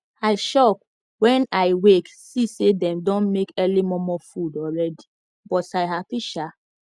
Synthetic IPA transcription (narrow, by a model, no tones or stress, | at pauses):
aɪʃɔk̚ | wɛ̃naɪweksisedɛ̃mdɔ̃nmekɛlimɔmɔfudɔlɹɛdi | bɔtaɪɦapiʃa